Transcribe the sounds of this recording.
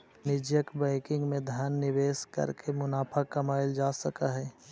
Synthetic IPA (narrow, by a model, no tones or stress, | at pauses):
nɪd͡ʒjəkbaɪkɪ̃ŋɡmẽd̪ʱjaːnːɪʋeːskə̰ɾkemʊnaːpʰakɐmaːɪld͡ʒaːsəkaɦɛː